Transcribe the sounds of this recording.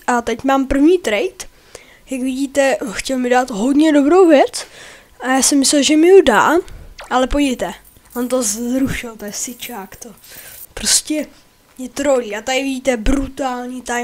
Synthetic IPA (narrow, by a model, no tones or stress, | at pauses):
ʔat̪ɛcmaːmpr̩vɲiːt̪ɾɛjt̪ | jakvɪɟiːt̪ɛxcɛlmɪdaːt̪ɦo̞dɲɛdo̞bɾo̞wvjɛt͡s | ʔajaːsɛmːɪslɛlʒɛmɪjuda̰ːʔalɛpojɛjt̪ɛ | ʔont̪ozɾuʃɪlt̪oɛsɪt͡ʃaːkt̪opɾoscɛ | jɛt̪ɾoliːat̪adɪvɪɟiːt̪ɛbɾut̪aːlɲit̪aj